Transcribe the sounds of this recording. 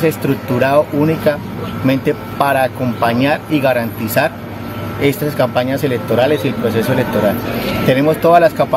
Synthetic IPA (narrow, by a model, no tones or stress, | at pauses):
sest̪ɾuk̚t̪uɾaðoʔunika | mẽ̞nt̪e̞ | paɾaːko̞mpaɲaɾiɣaɾant̪isaɾ | e̞st̪askampaɲase̞le̞k̚t̪o̞ɾale̞sie̞lpɾo̞s̬e̞soele̞k̚t̪o̞ɾalt̪e̞ne̞mo̞st̪oðazlaskamp